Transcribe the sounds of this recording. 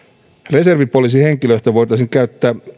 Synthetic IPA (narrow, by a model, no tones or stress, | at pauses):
re̞se̞rʋipo̞lis̬ihe̞ŋkiløst̪æʋo̞jt̪ɑisiŋkæyt̪ːæː